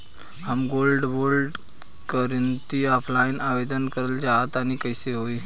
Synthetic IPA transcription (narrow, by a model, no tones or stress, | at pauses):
hamɡolɖʋolɖ | kəɾənt̪iːɔfʰlainaʋed̪ənkəɾəld͡ʑaɦət̪aɽ̃ikəjseɦoi